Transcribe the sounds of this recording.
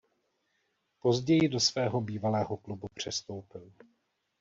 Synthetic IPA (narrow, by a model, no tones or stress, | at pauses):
po̞zɟɛjɪdo̞svɛːɦo̞biːvalɛːɦo̞klubupr̝̥ɛst̪o̞wpɪl